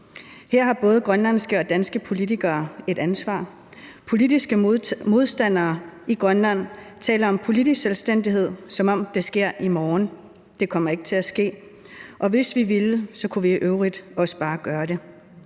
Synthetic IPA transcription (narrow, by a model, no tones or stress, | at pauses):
heɐ̰ɦɑ̈b̥ɔ̽ːð̞̩ˠɡ̥ʁɶnlænsɡ̥əɒ̽d̥ænsɡ̥əpʰo̝lidʰiɡ̥ɐːe̝d̥ænsʋɑ̰̈ː | pʰo̝lidisɡ̥əmo̝ð̞ˠsd̥æn̰ɐːiɡ̥ʁɶnlæn̰t͡sʰɛ̰ːləɒ̽mpʰo̝lidiselsd̥en̰d̥iɦe̝ð̞̰ˠsɒ̽mɒ̽m̰d̥esɡ̥e̝ɐ̰ʔimɒːn | d̥e̝kʰɒ̽m̰ɐe̝ɡ̥ə̥t͡sʰe̝læsɡ̥e̝̰ː | ʔɒ̽ʋe̝sʋiʋilsɒ̽kʰuʋiʔøʊʁid̥ɒ̽sə̥b̥ɑ̈ːɡ̥ɶːɐde̝